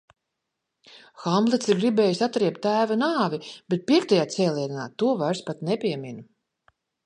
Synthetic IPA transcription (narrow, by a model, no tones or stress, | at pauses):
xamblˠit̪siɾɡɾibɛːjisat̪ːɾiɛp̚t̪ːæːvanaːvib̥et̪̚pʲiɛkt̪ajaːt̪sɛːlʲˠiɛd̪anaːt̪uɔvaɾspat̪nɛpʲiɛmʲinu